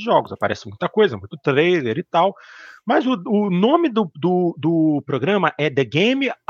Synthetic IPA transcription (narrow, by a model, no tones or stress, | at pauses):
ɪʒɔɡʊzapa̰ɾɛ̰sɪmũj̃t̪ɐkojzɐɛmũj̃t̪ʊt̪ɾejleɾɪt̪awmɐzʊʊnõmɪd̪ʊd̪ʊd̪ʊpɾoɡɾɐ̃mɐʔɛd̪eɡẽjmɪ